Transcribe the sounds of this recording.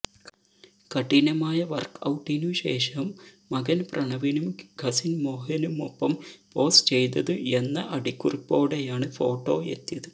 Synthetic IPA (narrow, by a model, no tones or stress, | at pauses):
kɐʈːinɐmaːjɐʋɐ̰rkɐ̰wʈːinuɕe̞ːʂɐmː | ɐɡɐnprʔɐɳɐʋinumɡʱɐsinmo̞ːɦɐnumo̰pːɐmpo̞ːst͡ɕe̞jt̪̬ɐðɨe̞nːɐʔɐɽikʲːuripːo̞ːɽejaːɳɨfo̞ːʈːo̞ːe̞̰t̪ːijɐðɨ